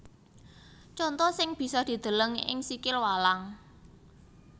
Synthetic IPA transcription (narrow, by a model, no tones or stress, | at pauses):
t͡ʃɔnt̪ɔsɪŋb̥i̤sɔd̪̥i̤d̪̥ə̤ləŋɪ̰ŋsikɪlwalaŋ